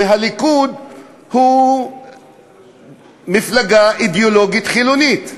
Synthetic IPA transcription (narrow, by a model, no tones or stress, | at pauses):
eɦalikud̪ | hu | miflaɡaʔid̪eolo̞ɡit̪χilunit̪